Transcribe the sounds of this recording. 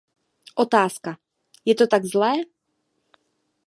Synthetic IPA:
ʔot̪aːska | jɛt̪ot̪aɡzlɛː

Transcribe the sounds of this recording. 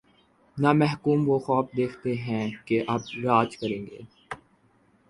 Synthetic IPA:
namɛɦkuːmʋoxɔːfd̪eːkʰt̪eɦɛ̃keʔɐbɾaːt͡ʃkɐɾẽːŋɡḛː

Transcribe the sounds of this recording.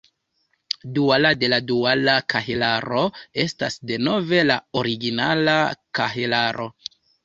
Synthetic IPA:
dualade̞ladualakahelaɾo̞e̞stasde̞no̞ve̞lao̞ɾiɡinalakaɦelaɾo̞̰

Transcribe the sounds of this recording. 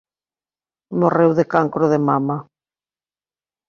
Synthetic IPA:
morewðekaŋkɾʊðemama

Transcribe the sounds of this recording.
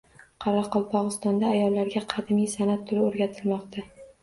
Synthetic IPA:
qʰɑɾɑqʰɒlˠpʰɒʁɨst̪ɒnd̪aːjɒlˠːaɾɡʲaqʰɑd̪mijsanat̪ʰːʊlɪoɾɡʲat̪ʰɪlmɒqt̪ʰa

